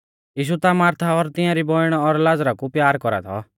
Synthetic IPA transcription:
jiːʃ̬ut̪amaːɾt̪ʰaɔɾt̪ɪ̃jãɾibɔɪɽ̃ɔɾlad͡zɾakupjaːɾkɔɾa̰t̪ʰɔ̰

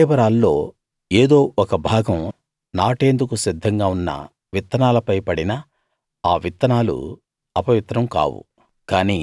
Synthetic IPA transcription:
eːbɐɾaːlːo̞ː | eːd̪o̞ːʔɔkɐbʱaːɡɐm | naːʈe̞ːnd̪ukusid̪ʱːɐŋɡaːunːɐ̰ | ʋit̪ːɐnaːlɐpɐjpɐɽinɐ | aːʋit̪ːɐnaːlṵ | ɐpɐʋit̪ɾɐmka̰ːwṵ | kaːniː

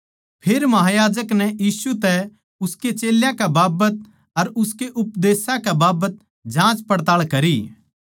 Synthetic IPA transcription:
pʰeːɾmɐɦaːjaːd͡ʒəknɛjiːsut̪ɛ | ʊsket͡ʃeːljãkɛbaːbət̪̚ | ɐɾʊskeʔʊpd̪eːsãkɛbaːbət̪̚ | d͡ʒãːt͡ʃpɐɽt̪aːɭkɐɾi

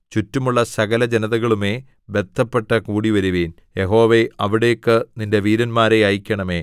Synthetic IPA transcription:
t͡ɕutːumuɭːɐsɐɣɐlɐd͡ʑenɐðɐɣɐɭume̞ː | bet̪ʰːɐpːe̞ʈːɐkuːɽiʋɐɾuʋeːn | je̞ɦo̞ːʋe̞ɐʋiɽe̞jokːɨninde̞ʋiːɾɐnmaːɾe̞ɐjikʲːɐɳɐme̞ː

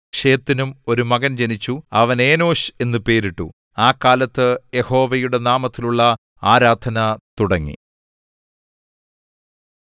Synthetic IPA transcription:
ʂe̞ːt̪ːinumo̞ɾumɐɣɐnt͡ɕe̞nit͡ɕːuɐʋɐne̞ːno̞ːɕe̞nːɨpe̞ːɾiʈːṵ | aːkːaːlɐt̪ːɨje̞ho̞ːʋɐjuɽe̞naːmɐt̪ːiluɭːɐ | aːɾaːd̪ʱɐnɐt̪uɽɐŋːḭ

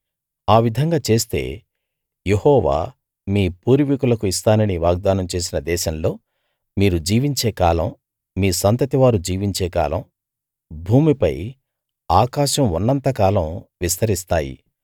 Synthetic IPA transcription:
aːʋid̪ʱɐŋɡaːt͡ʃe̞ːst̪e̞̰ː | je̞hɔːʋa̰ː | miːpuːɾʋikulɐkuist̪aːnɐniʋaːɡ̚d̪aːnɐmt͡ʃe̞ːsinɐd̪ɛːʃɐmlo̞ː | miːɾud͡ʒiːʋiɲt͡ʃeːkaːlɐmː | iːsɐnt̪ɐt̪iʋaːɾud͡ʒiːʋiɲt͡ʃeːka̰ːlɐ̰m | bʱuːmipɐ̰j | aːkaːʃɐmunːɐnt̪ɐkaːlɐmʋist̪ɐɾist̪aːjḭ

